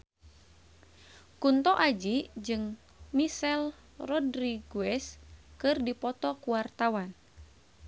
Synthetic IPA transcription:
kunt̪ɔʔad͡ʒid͡ʒɨŋ | misɛl | rɔdɾiɡuɛskɨrdipɔt̪ɔkuwart̪awan

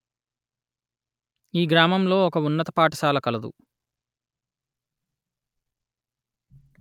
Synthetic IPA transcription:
iːɡɾaːmɐmlo̞ːɔkɐunːɐt̪ɐ̥paːʈɐsaːlɐkɐlɐd̪ṵ

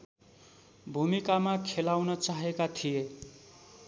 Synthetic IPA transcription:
bʱumikamakʰelawnʌt͡saɦekat̪ʰije

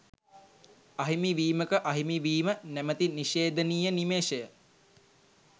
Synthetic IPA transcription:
ɐɦimiʋiːməkəʔɐɦimiʋiːmənæmət̪iniʃeːd̪ənijənimeːʃəjə

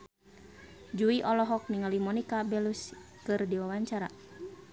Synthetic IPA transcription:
d͡ʒuiʔɔlɔɦɔk̚niŋalimɔnikabɛlus | kɨrdiwawaɲt͡ʃaɾa

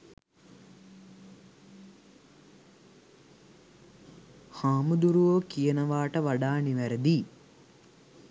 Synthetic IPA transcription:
haːmud̪uɾuʋoːkijɐnɐʋaːʈɐʋɐɖaːɳiʋɐɾɐd̪i

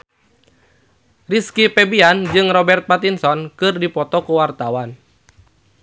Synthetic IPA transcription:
riskipɛbiand͡ʒɨŋrɔbɛrt̪̚pat̪insɔnkɨrdipɔt̪ɔkuwart̪awan

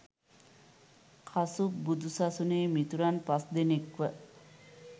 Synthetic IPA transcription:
kʰasubud̪ʱusasuneːmit̪uɾanpasd̪enekʋə

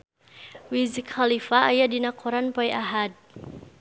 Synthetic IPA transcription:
wizikhalifaːjadinakʰɔɾanpɔjʔaɦad̪̚

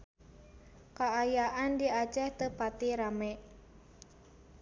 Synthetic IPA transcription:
kaːjaʔandiat͡ʃɛht̪əhpat̪iɾamɛʔ

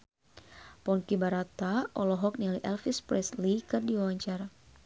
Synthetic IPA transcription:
pɔnkibaɾat̪aʔɔlɔɦɔk̚nialiʔɛlfispɾɛslikɨrdiwawaɲt͡ʃaɾa

